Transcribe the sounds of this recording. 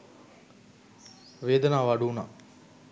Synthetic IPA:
ʋeːd̪ənaːʋaɖuːna

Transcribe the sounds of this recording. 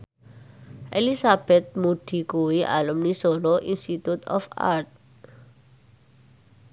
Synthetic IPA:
ʔelisab̥et̪̚mudʱikuwiʔa̰lumnisoloʔinst̪it̪jut̪ʰɔ̰fa̰t̪̚

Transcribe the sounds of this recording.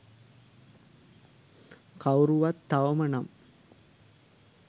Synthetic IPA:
kɐwruʋɐt̪ːɐʋɐmɐɳɐm

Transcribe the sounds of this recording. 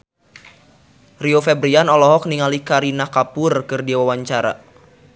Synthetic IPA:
riofɛbɾianɔlɔɦɔk̚niŋalikaɾinakapʊrkɨrdiawawaɲt͡ʃaɾa̰

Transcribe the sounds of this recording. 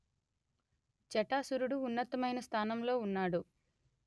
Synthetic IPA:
t͡ʃɛʈaːsuɾuɽuːnːɐt̪ɐmɐjnɐst̪ʰaːnɐmlo̞ːunːaːɽu

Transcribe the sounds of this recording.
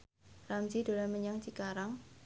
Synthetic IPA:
ramd͡ʒid̥̪o̤laməɲaŋt͡ʃikaɾaŋ

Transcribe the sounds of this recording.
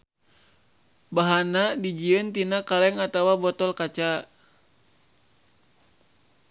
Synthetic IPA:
baɦanadid͡ʒiənt̪inakalɛŋat̪awabɔt̪ɔlkat͡ʃa

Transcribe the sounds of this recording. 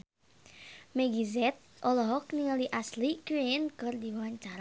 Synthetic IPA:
mɛɡizɛt̪̚ʔɔlɔɦɔkniŋəliʔaslikɾenkɨrd̪iwaɲt͡ʃaɾa

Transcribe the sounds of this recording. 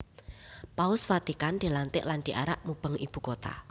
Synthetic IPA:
paʊsfat̪ikanɖ̥e̤lant̪ɪʔlanɖ̥i̤ʔa̰ɾaʔmub̥ə̤ŋib̥ṳkot̪a̰

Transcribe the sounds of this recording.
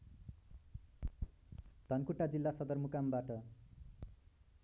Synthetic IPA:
d̪̥ʱʌnkuʈad͡zilːasʌd̪ʌrmukambaʈʌ

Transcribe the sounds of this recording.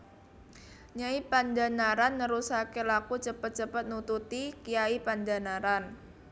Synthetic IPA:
ɲaipandanaɾanːəɾusakelakut͡ʃəpət̪̚t͡ʃəpət̪̚nut̪ut̪ikijaipandanaɾan

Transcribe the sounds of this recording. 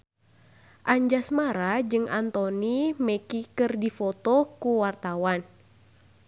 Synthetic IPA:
ʔaɲd͡ʒasmaɾad͡ʒɨŋʔa̰nt̪ɔnimɛkikɨrdifɔt̪ɔkuwart̪awan

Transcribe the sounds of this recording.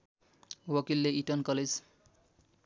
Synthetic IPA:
wʌkilːeiʈʌnkʌled͡z

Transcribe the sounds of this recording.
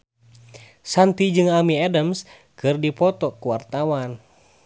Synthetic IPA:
sant̪id͡ʒɨŋamiɛdəms | kɨrdipɔt̪ɔkuwart̪awan

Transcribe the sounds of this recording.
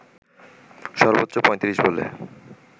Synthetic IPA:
ʃɔɾbot̪ːɕopɔ̃jt̪iɾiʃbolḛ

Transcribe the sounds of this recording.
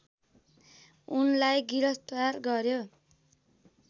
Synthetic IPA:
unlajɡiɾʌst̪warɡʌrjo

